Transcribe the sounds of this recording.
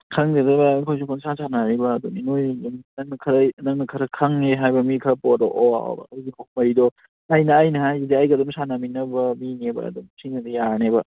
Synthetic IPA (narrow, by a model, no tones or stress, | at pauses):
kʰɐŋdedɐbakʰojsukʰɔnsasʰanaɾibɐːduninojumnɐŋnɐkʰɐɾɐnɐŋnɐkʰɐɾɐkʰɐŋeɦajbɐmikʰɐpɔdɔʔɔa̰b̰zikʰok̚mɐɾidɔ | ajnɐːjnɐhajzeajɡɐdɔmsanaminɐbɐminebɐ̰ɐ̰dumsʰinɐdijaɾnebɐ